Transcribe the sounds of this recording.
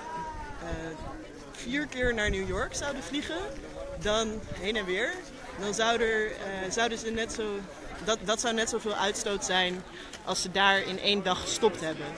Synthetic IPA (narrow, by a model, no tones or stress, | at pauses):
v̥iːɹkɪːɹnaːɹnuwjʊɹksɑwdəvliχəndɑnɦejnɛnʋɪːɹ | dɑnzɑwdəɹzʌwdəzənɛtsow | ddɑtsʌwnɛtsowvɪːlˠʔœɥtstowtsɛjn | ʔɑ̰lˠsədaːɹɪ̰nʔejndɑχə̥stɔptɦɛbən